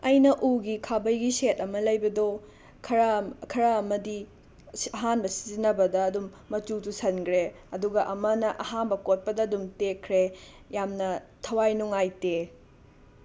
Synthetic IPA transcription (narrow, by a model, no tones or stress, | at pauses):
ɐjnɐʔuɡikʰabɐjɡisetɐmɐlɐjbɐdo | kʰɐɾɐkʰɐɾɐːmɐdi | ɐɦanbɐsi̥zinɐbɐdɐːdumːɐtutusɐnɡɾe | ɐduɡɐʔɐmɐnɐʔɐhanbɐkot̚pɐdɐːdumtekʰɾe | jamnɐtʰɐwajnuŋajte